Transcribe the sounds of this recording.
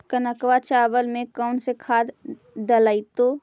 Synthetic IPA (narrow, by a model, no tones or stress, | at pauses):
kənəkʋat͡ʃaːʋəlmẽkəʊnsekʰaːd̪ | dəlait̪oː